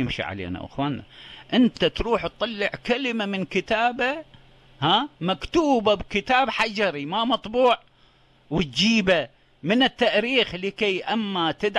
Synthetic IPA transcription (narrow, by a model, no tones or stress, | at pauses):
jɪmʃḭʕa̰lḛːna̰ʔɪ̰xwaːnːa̰ʔɪnt̪at̪ɾuːħt̪t̪ˤːɑlːɪʕkalmamɪnkɪt̪aːba | hamakt̪uːbabkɪt̪aːbħad͡ʒɑɾimamɑt̪ˤbuːʕ | wɪt̪̚d͡ʒiːba | mɪnɪt̪ːaʔɾiːxlɪkejʔamːat̪ɪd̪